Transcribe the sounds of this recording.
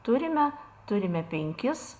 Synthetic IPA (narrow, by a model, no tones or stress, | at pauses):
t̪ʊɾʲɪmʲɛt̪ʊɾʲɪmʲɛpʲɛŋʲkʲɪs